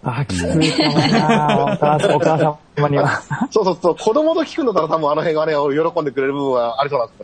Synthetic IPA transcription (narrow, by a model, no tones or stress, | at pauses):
aːkʲi̥kɨik̪anaokaːsaokaːsã | maɲiasoːsoːsoːkʰo̞d̪o̞mo̞t̪okʲi̥kɯ̟not̪̬ːaɾat̪abɯ̟̃ano̞hẽ̞ɰ̃ɡaanẽojo̞ɾo̞kond̪ekɯ̟ɾe̞ɾɯ̟bɯ̟bɯ̟̃ŋ̃aaɾʲis̬oːnãnsne